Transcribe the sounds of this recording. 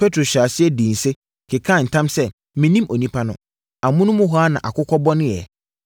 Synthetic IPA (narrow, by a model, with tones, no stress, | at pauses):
pʰɛ˦tʰɾo˨ɕᶣa˨sɪ˦ɛ˦dĩ˨n˨se˦ | kʰɪ˨kʰã˦˨n̩˨tʰã˦msɛ˦ | mɪ̃˨nĩ˦mʔo˨nĩ˦pʰa˦nʊ̃˦ | a˨mʊ̃˦nʊ̃˦mʊ̃˦ɦɔ˦a˦nã˨ʔa˨kʊ˦kʰɔ˦bɔ˦nʊ̃˦jɛ̰˨